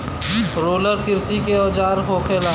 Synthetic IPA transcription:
ɾoːləɾkɪɾsikeɔːd͡ʒaːɾɦoːkʰela

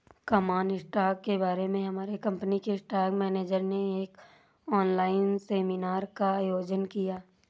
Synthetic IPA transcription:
kamaːnɪsʈaːkːebaːɾemẽɦɐmaːɾekɐ̃mpnikeɪsʈaːɾkmɛːneːd͡ʒəɾneeːk | ɔːnlaːɪnseːminaːɾkaːjoːd͡ʒənkijaː

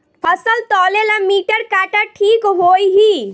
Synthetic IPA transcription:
pʰəsəlt̪ɔːlelãmiːʈəɾkaʈaʈʰikɦojɦi

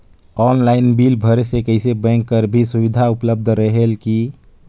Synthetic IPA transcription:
ɔːnlaɪnbilbʱəɾesekəɪsebə̃ŋkːəɾbʱisuʋid̪ʱaupləb̚d̪ʱɾəɦelki

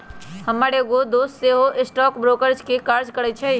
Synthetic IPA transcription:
həmaːɽeɡod̪oːst̪seɦoʔɪsʈɔːkbɾoːkəɾd͡ʒkekaːɾd͡ʒkəɽət͡ʃʰe

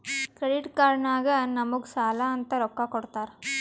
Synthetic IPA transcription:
kɾɛɽɪʈkaːɾɐɳaːɣɐnɐmuksaːlaːɐnt̪ɐɾɔkːaːkɔɽɯt̪ːaːɾ

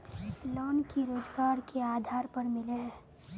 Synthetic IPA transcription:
lɔːnkiɾoːd͡ʒɡaːɾkʰeaːd̪ʱaːɾpɐɾmɪleɦɛː

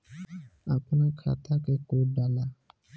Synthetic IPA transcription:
akunãkʰa̰tʰakɛkodala

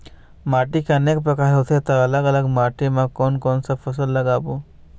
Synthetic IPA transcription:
maːʈikeɐneːk̚pɾəkaɦɦot̪ʰet̪ɐɐləɡələɡmaːʈimãkɔːnkoːnsapʰɐsəlːɐɡaːbu

